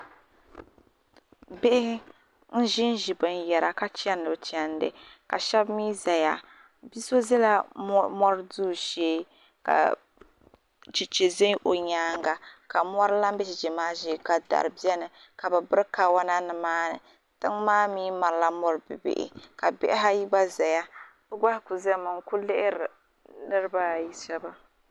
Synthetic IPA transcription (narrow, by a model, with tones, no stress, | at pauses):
be˦ʔɪ˦ | n̩˦ʒɪ˦n˦ʒi˨bɨ˨n˨jɛ˨ɾa˨ka˦t͡ʃɛ˦nː˦ɨ˨bɨ˨t͡ʃɛ˦n˦dɨ̰˨ka˨ʃɛ˦bmiː˦za˨ja˨ | bi˦so˦zɛ˦la˦mɔ˦ɾɨ˦duː˦ʃeː˦ | ka̰˨ | t͡ʃi˨t͡ʃe˨ze˦ʔo˨ɲaː˦ŋɡa˨ka˨mɔ˦ɾla˦m˦bɛ˦t͡ʃi˨d͡ʒi˨maː˦ʒe˦˨ka˨da̰˨ɾɨ˨bi˦ɛ˦nɨ˨ | ka˨bɨ˨bɨ˦ɾka˨wa˦na˦nɨ˨maː˦nɨ̰˨ | tɨ˦ŋmaː˦miː˦ma˨ɾla˦mɔ˦ɾɨ˨bɨ̰˨bḛ˨ʔɪ̰˨ka˨bɛ̰˦ʔɪ˦ɦa˦ji˦ɡ͡ba˦za˨ja˦ | b̥ɨ˦ɡa˦hɪ˦ku˨zɛ˦mɨ˨ŋku˦lɪ˦ʔɪ˦ɾɨ˨ | nɨ˦ɾɨ˦ba˦˨ji˦ʃɛ˦ba˦